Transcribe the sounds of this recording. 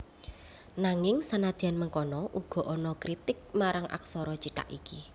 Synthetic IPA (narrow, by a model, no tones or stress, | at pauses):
naŋɪŋsanad̪̥i̤anməŋkɔnɔʔuɡ̥ɔ̤ʔɔnɔkɾit̪ɪk̚maɾaŋʔa̰k̚sɔɾɔt͡ʃiʈa̰ʔiki